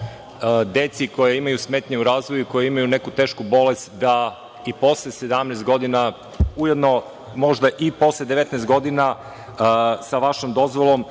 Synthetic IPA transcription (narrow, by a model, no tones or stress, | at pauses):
d̪et̪siko̞jeimajusmeːt̪ɲeuɾaːzʋojuiko̞jeimajune̞kut̪e̞ːʃkubo̞le̞st̪d̪a | ipo̞slˠese̞d̪amnest̪̚ɡo̞d̪ina | uje̞d̪no̞ | mo̞ʒd̪aʔipo̞slˠed̪eʋe̞t̪nɛst̪ɡo̞d̪ina | saʋaʃomd̪o̞zʋolˠo̞m